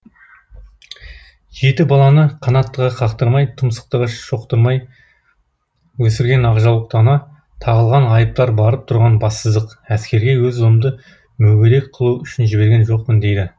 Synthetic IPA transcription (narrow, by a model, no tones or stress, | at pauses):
ʒe̞t̪ɪbɑlˠɑnəqʰɑnɑt̪ːəʁɑqʰɑqt̪əɾmɑjt̪ʰəmsə̥q̚t̪əʁəʃo̞qt̪əɾmɑj | wɵsɪɾɡʲe̞nɑʁʒɑlˠəq̚t̪ɑnɑ | t̪ʰɑʁəlˠʁɑnɑjəp̚t̪ɑɾbɑɾəp̚t̪ʰʊɾʁɑnbɑsəzd̪əq | æskʲe̞ɾɡʲe̞wɵzuəmd̪ə | mɵɡʲeɾe̞k̚qʰəlˠuʏʃɪnʒɪbe̞ɾɡʲenʒo̞q̚pənd̪e̞jd̪ɪ